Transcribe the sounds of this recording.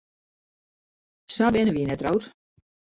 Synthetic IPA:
sabɪnəʋinɛtrowr

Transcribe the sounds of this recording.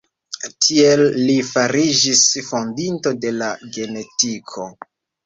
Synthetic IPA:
tʰie̞lːifaɾid͡ʒisfo̞ndinto̞de̞laɡe̞ne̞tikʰo̞

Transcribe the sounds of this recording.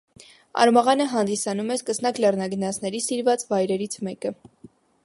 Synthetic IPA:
ɑ̰ɾmɑʁɑnəɦɑnd̪isɑnumɛskəsnɑklɛrnɑɡənɑsnɛɾisiɾvɑt͡svɑjɾɛɾit͡sʰmɛkə

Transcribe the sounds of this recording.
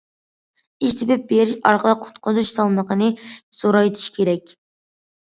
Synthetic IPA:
iʃt̪ʰɪbɪp̚beɾɪʃɑ̰ɾqəlˠəq̚qːʰʊ̥t̪qʊzuʃsɑlˠməqənɨsoɾɑjt̪ʰɪ̥ʃkʲʰeɾɛkʲ

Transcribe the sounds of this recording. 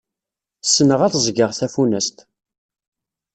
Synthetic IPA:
sːənəʁæθzˤɡəʁθæfunæst̪

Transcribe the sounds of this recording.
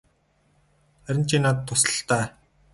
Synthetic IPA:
æɾʲɪ̆n̥t͡ɕinaːt̪ʰːʊsə̥̆ɬt̪æː

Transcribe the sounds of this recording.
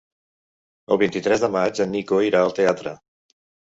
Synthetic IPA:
əlˠβint̪it̪ɾɛzðəmad͡ʒənːikoiɾaəlˠt̪eat̪ɾə

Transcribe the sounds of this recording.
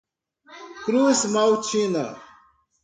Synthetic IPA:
kɾusmawt͡ɕʰina̰

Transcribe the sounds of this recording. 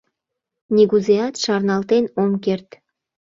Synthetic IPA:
niɡuzeɑt̪ʃɑrnɑlt̪enomkert̪

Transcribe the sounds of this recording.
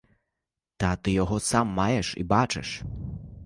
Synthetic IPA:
t̪at̪ɪjɔɦɔsamːajɛʂḭbat͡ʃɪ̰ʂ

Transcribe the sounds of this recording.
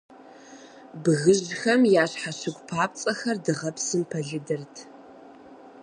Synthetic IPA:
bɨɣɨʑxɐmjaːɕħaɕɨɡʷʼpʰaːp̚t͡sʼɐxɐrdɨʁɐpsɨmpʰɐɮɨdɨrtʰ

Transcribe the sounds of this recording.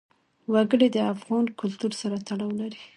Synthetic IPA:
waɡəɽed̪əafɣɑnkʊlt̪uɾsaɾat̪aɽɑwlaɾi

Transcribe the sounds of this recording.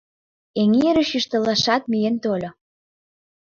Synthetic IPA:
eŋieɾəʃyʃt̪ə̆lɑʃɑt̪̚mijent̪olʲo

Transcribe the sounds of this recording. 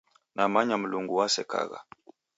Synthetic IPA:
nʔamaɲam̩luŋɡuwasɛka̰ɣa̰

